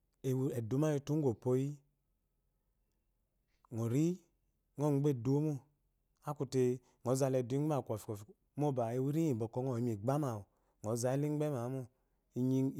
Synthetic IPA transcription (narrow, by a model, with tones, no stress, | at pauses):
e˨wɛ˨du˨˦ma˦ji˧˨tu˦ŋ̩˦ɡo˨po˧˦ji˦ | ŋo˨ɾi˦ | ŋo˦˨ŋ͡mɡ͡be˦˨du˦mo˦ | a˦ku˨te˧ | ŋɔ˨˦za˧lɛ˨du˨˦i˦a˦˨kʷɔ˨fi̥˨ko˨f | mo˦˨ba˨e˨wi˦ɾi˦i˨bɔ˨kɔ˦ŋo˨i˨m˨i˨ɡ͡ba˦ma˨wu˨ | ŋɔ˨˦za˨˦i˦li˦ŋ͡mɡ͡be˦ma˨˦mo˦ | i˨ɲi˦